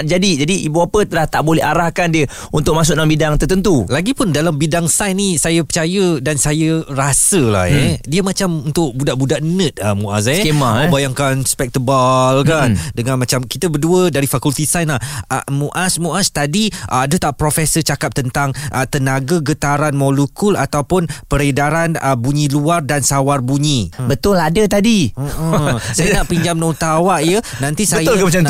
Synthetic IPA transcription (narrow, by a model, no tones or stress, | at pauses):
d͡ʒadid͡ʒadiʔibuapət̪əlaht̪aʔbolɛ̰ɦaɾahkandiə | unt̪ʊʔk̚mas̬ʊʔ̚dalambidaŋt̪ərt̪ənt̪ulaɡipʊndalambidaŋsajnisajəpət͡ʃajədansajərasəla̰hediəmat͡ʃamunt̪ʊʔ̚budaʔbudaʔnə̃t̪̚amuʔas̬ɛemaabajaŋkanspɛk̚t̪əbalkandəŋãnmat͡ʃamkit̪əbərduədaɾifakult̪isanlahəmuʔasmuʔast̪adiʔadət̪aʔpɾofɛsət͡ʃakap̚t̪ənt̪aŋʔət̪ənaɡaɡət̪aɾanmolukulat̪awpʊnpəɾedaɾanəbuɲĩluardansawarbuɲibət̪ʊladət̪adiəsajənaʔpiɲd͡ʒamnɔt̪awaʔjənãnt̪isaj̪ʊlkmat͡ʃam